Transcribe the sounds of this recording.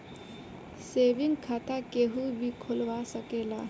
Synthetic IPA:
seʋiŋɡkʰat̪akeɦubʱikʰolʋasəkeːlaː

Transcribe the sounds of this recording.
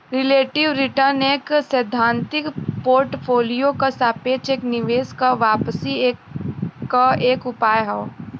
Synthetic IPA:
ɾɪleːʈɪʋɾɪʈəɾneːksəd̪ʱãːnt̪ɪkpoːɾʈpʰoːlijokasaːpeːt͡ʃeːknɪʋeːskaʋaːpsie | aeːkʊpaːjɦao

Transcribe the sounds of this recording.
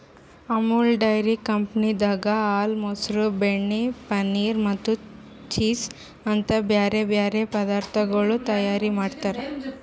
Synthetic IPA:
ɐmulɖɐjɾikɐmpnid̪aːɡɐaːlmosɾubeɳːipɐniːɾmɐt̪ːu | t͡ʃiːs | ɐnt̪ɐbjaːɾebjaːɾepɐd̪aːɾt̪ʰɐɡɐɭut̪ɐjaːɾimaːɖt̪aːɾe

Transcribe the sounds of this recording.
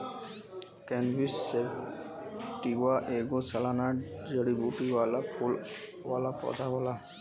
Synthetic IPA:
kɛnbisːeb | tiwaʔeɡɔsalanaɹzəɽibutiwalapʰul | walapɔ̰d̪ʱabɔla

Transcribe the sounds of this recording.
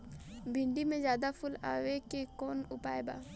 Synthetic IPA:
bʱɪ̃ɳɖimẽzjaːd̪apʰʊla̰ːʋekekɔːnʊpaːeba̰ː

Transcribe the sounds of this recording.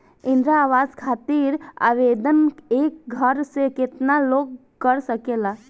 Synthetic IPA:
ind̪ɾaːʋad͡ʒkʰat̪iɾa̰ʋed̪ənek̚ɡʱəɾseket̪naloɡ̚ | kəɾsəkela

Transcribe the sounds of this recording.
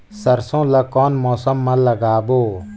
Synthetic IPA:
sɐɾsõːlɐkɔːnmɔːsəmːãlɐɡaːboː

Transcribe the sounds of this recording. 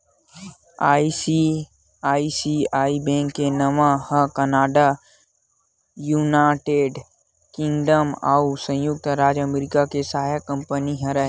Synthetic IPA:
aːisi | aːisiaːibɛ̃ːŋkːenɐmahɐ̃kɐnaːɖa | juːnaːʈeːɖ | kɪ̃ŋɡɖəmaːusɐ̃jʊk̚t̪ɾaːd͡ʒəmɾɪkakesɐɦaːjakɐ̃mpəniɦɐ̃ɾəɦ

